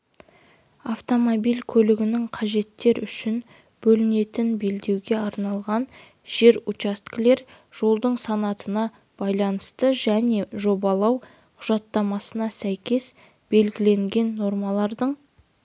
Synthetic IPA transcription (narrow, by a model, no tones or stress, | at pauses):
aft̪o̞mobijlʲkʲʰɵlɪɡʲɪnɪŋqʰɑʒe̞t̪ːe̞ɾʏʃɪn | b̥ɵlɪne̞t̪ɪnbe̞ld̪e̞wɡʲe̞ɑɾnɑlˠʁɑn | ʒ̥e̞ɾut͡ʃast̪kle̞ɾ | ʒ̥o̞lˠd̪əɴsɑnɑt̪ənɑ | b̥ɑjlˠɑnəst̪əʒæne̞ʒo̞bɑlˠɑw | qʰʊʒ̥ɑt̪ːɑmɑsənɑsæjkʲe̞s | b̥e̞lɡʲɪle̞ŋɡʲe̞nːo̞ɾmɑlˠɑɾd̪əɴ